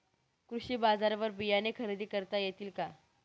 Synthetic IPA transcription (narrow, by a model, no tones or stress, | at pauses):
kɾuɕiːbazaɾʋəɾbijanekʰəɾid̪iːkəɾt̪ajet̪iːlka